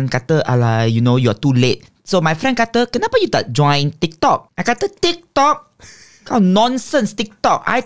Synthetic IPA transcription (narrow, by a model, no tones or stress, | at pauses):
nkat̪əʔalajunojuatulet̚ | somajfɹɛ̃nkat̪əkənapəjuda̰t̚d͡ʒɔ̃j̃nt̪ik̚t̪ɔk̚ʔajkat̪ətik̚t̪ɔk̚ | kanɔ̃nsə̃nst̪ik̚t̪ɔk̚a̰j